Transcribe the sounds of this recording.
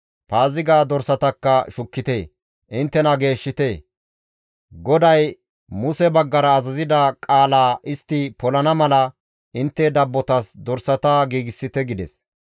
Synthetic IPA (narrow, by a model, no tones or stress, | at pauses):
paːzɪɡaːd̪ɔɾsɐt̪ɐkːɐʃʊkːɪt̪eː | ʔɪnt̪ːɛnɐɡe̞ːʃːɪt̪eː | ɡɔd̪ɐj | mʊsɛbɐɡːɐɾɐːzɐzɪd̪ɐkʼaːlaːʔɪst̪ːɪpɔlɐnɐmɐlɐ | ʔɪnt̪ːɛd̪ɐbːɔt̪ɐsd̪ɔɾsɐt̪aɡiːɡɪsːɪt̪ɛɡɪd̪ɛ̰s